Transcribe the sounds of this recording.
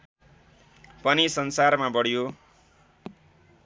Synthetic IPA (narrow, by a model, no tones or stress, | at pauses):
pʌnisʌnsarmabʌɽjo